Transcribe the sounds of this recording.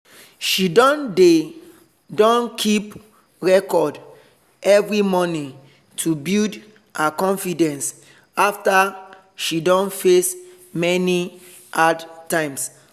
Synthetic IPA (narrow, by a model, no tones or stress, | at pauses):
ʃidɔ̃nde | dɔ̃nkʰip | ɹɛkɔd | ɛvɹimɔnĩ | tʰubild | akɔ̃nfidɛ̃ns | afta | ʃidɔ̃nfes | mɛni | adtãɪ̃ms